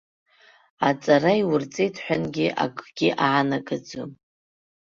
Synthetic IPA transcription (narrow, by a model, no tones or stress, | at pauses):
at͡sʼarajwʊrt͡sʼejtʰħʷᶣanɡʲiʔa̰kʼɡ̥ʲiʔaʕanakʼad͡zum